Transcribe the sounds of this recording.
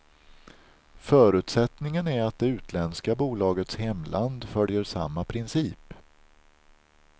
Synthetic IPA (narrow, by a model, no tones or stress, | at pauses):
fœːɾʉ̟ːt̪sɛt̪nɪŋənæɾat̪̚d̪ɛʉ̟ːt̪ʰlɛnskabuːlɑːɡət̪shɛmlʔand̪fœljəɾʂa̰mːapʰɾɪnsiːp